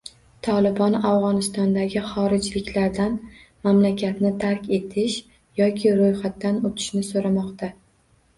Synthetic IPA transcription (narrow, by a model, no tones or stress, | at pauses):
t̪ʰɒlˠɪbɒnawʁɒnɪst̪ɒnd̪aɡʲɪχɒɾɪd͡ʒlɪkʲlaɾd̪an | mamlakʲʰat̪nɪt̪ʰaɾkʲe̞t̪ʰɪʃ | jɒkʲʰɪɾojχat̪ːanot̪ʰɪ̥ʃnɪsoɾamɒqt̪ʰa